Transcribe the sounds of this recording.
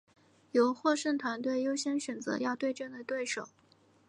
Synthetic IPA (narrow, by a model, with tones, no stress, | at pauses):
jo˧˥ʊxwɔ˥˧ʂə˥˩t̪ʰwa˧˥nt̪we˥˩ɪjo˥ʊɕjɛ˥nɕɥɛ˨˩nd͡zɤ̰˧˥jɑ˥˧ʊt̪we˥˧ɪʈ͡ʂɤ˥˩d̪ə˨˩t̪we˥˩ɪʂo˨˩˦ʊ